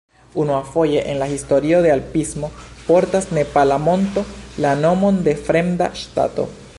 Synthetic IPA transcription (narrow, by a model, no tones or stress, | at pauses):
unuafo̞je̞ʔenlahisto̞ɾio̞de̞alpizmo̞po̞ɾtasne̞palamo̞nto̞lano̞mo̞nde̞fɾe̞mda̰ʃta̰to̞̰